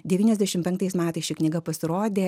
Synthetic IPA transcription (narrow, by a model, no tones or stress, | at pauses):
d̪ʲɛʋʲiːnɛzʲd̪ʲæɛʃʲɪmpʲɛŋk̚t̪ɐɪsmʲæːt̪ɐɪsʃʲɪknʲiːɡɐpɐsʲɪɾoːd̪ʲeː